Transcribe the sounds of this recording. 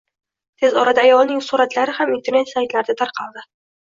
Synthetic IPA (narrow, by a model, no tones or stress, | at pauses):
t̪ʰezɒɾad̪aːjɒlˠnɪŋsʊɾat̪laɾɪhamint̪ʰe̞ɾne̞t̪sajt̪laɾɪd̪at̪ʰaɾqʰɑlˠd̪ɪ